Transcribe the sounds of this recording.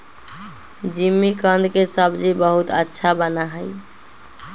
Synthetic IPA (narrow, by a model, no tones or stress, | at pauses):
d͡ʒimːikə̃nd̪kesəbd͡ʒibəɦut̪ətːʃʰabənaɦəj